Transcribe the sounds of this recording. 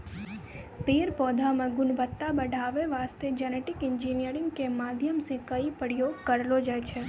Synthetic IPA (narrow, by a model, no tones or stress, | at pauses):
piɾpɔd̪ʱamə̃ɡʊnbət̪ːabəɖʱaʋeʋast̪ed͡ʒəneʈikɪɲd͡ʒinijəɾiŋɡkemad̪ʱjəmsĩkəipəɽjokəɾlod͡ʒajt͡ʃʰe